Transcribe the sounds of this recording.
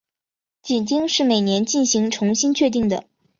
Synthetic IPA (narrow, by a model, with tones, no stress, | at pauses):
t͡ɕi˨˩nt͡ɕi˥ŋʂɻ̩˥˩me˨˩ɪnjɛ˧˥nt͡ɕi˥˩nɕi˧˥ŋʈ͡ʂʰʊ˧˥ŋɕi˥nt͡ɕʰɥɛ˥˧t̪̬i˥˩ŋd̪ə˩